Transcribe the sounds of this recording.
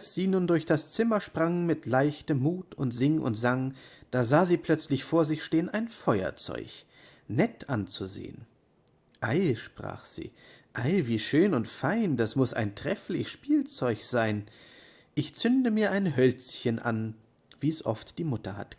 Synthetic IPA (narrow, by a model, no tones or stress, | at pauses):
ʔalsz̥iːnuːndʊɐçd̥ast͡sɪmɐʃpʁ̥aŋmɪtʰlaɪçtəmːuːtʊntz̥ɪŋʔʊ̰ntz̥aŋd̥aːzaːziːpl̥œt͡slɪçfoːɐzɪçʃteːənʔaɪnfɔʏɐ̰t͡sɔ̰ʏç | nɛtʰʔant͡suzḛːə̰n | ʔaɪʃpʁ̥a̰ːχz̥ḭːʔaɪviːʃøːnʊntfaɪndasmʊsa̰ɪntʁ̥ɛflɪçʃpiːlt͡sɔʏçz̥aɪn | ʔɪçt͡sʏndəmiːɐʔaɪnɦœlt͡sçənʔa̰n | viːɛsʔɔ̰ftd̥iːmʊtɐha̰t